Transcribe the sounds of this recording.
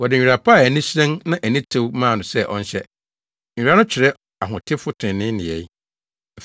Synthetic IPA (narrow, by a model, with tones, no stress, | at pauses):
wɔ˨dɪ˨ɲᶣ˨i˨ɾa˨pʰa˦˨æ˨nĩ˦sɛ̃˦nnã˦ʔæ˨nĩ˦tʰɪ˦wmãː˦˨nʊ̃˨sɛ˦ʔɔ̰̃˦n˦ɕɛ˦˨ | ɾa˦nʊ̃˦t͡ɕʰɪ˨ɾɛ˦ | a˨ɦʊ̃˨tʰɪ˦fʊ˦tʰɪ̃˨nɪ̃˦nɪ̃˨ɛ˨˦˨